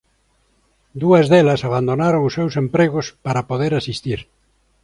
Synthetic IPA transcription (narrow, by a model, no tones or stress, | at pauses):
d̪uɐzðelɐsaβ̞and̪onaɾoŋʊsːewsempɾeɣʊspaɾɐpoðeɾasist̪iɾ